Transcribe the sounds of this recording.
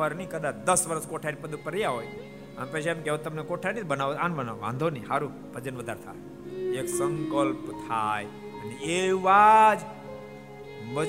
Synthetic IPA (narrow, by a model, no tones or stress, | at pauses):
əɾnikəd̪at͡ʃʰd̪əsʋəɾəskoʈʰaɾipəd̪upəɾjaɦoj | a̰mpət͡ʃʰemkeɦot̪əmnekoʈʰanibənaʋoãnbənaʋoʋã̰nd̪ʱoniɦaɾu | bʱəd͡ʒənʋəd̪ʱaɾt̪ʰa̰ | eksə̃ŋkəlpt̪ʰaj | əneeʋad͡ʒ | bə